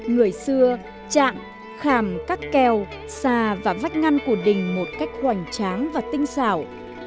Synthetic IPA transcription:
ŋɨ˨˩əjsɨ˧ə | t͡ɕa̰ː˧˨ŋ | xaː˧˩mkaː˦˥kːɛ˨˩w | saː˧˩vaː˨˩va˦˥jk̚ŋa˧ŋku˧˩əɗï˨˩ŋ̟mo˨˩t̚ka˦˥jk̟̚hwa˧˩jŋ̟t͡ɕaː˨˦ŋvaː˨˩t̪ï˧ŋ̟saː˧˩w

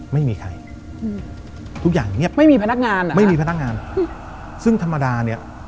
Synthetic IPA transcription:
ma˥˩jmiː˧kʰa̰˧j | t̪ʰu˦˥k̚jaː˨˩ŋŋi˥˩pma˥˩jmiː˧pʰa˧na˦˥k̚ŋaː˧nma˥˩jmiː˧pʰn˦˥k̚ŋaː˧n˩ | sɯ˥˩ŋt̪ʰa˧mːa˧daː˧ni˥˩ɐ

